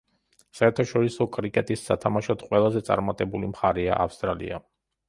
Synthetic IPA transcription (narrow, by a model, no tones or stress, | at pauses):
saɛɾt̪ʰaʃɔɾisɔkʼɾikʼɛt̪ʼisːat̪ʰamaʃɔt̪ʰqʼwɛlˠazɛt̪sʼa̰ɾmat̪ʼɛbulimχaɾɛa̰ʔafst̪ʼɾalḭa